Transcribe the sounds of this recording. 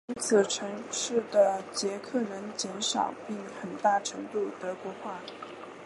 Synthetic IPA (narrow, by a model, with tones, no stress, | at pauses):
y˧˥t͡sʰɹ̩˨˩ʈ͡ʂʰɤ˧˥ŋʂɻ̩˥˩d̪ə˩t͡ɕjɛ˧˥kʰɤ˥˩ɻə˧˥nt͡ɕjɛ˧˥nʂɑ̰˨˩ʊpi˥˩ŋxə˨˩nt̪a˥˩ʈ͡ʂʰɤ˧˥ŋt̪u˥˩t̪ɤ˧˥kwɔ˧˥xwa˥˩